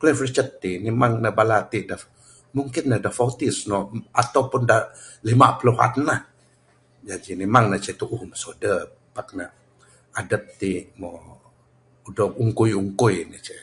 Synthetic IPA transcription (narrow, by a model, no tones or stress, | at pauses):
klɛfrit͡ʃət̪ːinemaŋnəhbalat̪iʔdahf | muŋkɪnːədahfawt̪isnɔat̪awpʊndah | limaʔpəluɦa̰nnah | d͡ʒad͡ʒimemaŋnat͡ʃɛt̪uʔuhməsodə | bak̚na | adət̪̚t̪imɔ | udɔkuŋkʊjuŋkʊjnət͡ʃɛ